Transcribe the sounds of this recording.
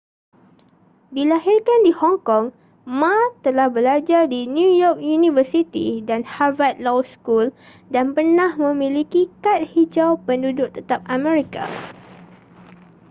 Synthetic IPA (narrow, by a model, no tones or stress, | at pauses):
dilaɦirkandihɔŋkɔŋ | mãt̪əlahbəlad͡ʒardinjujɔk̚junĩvəsit̪ḭdanhavat̪̚lɔwskul | danpərnãhmə̃mĩlikikat̪̚hid͡ʒawpəndudʊʔt̪ət̪ap̚ʔamɛ̃ɾika̰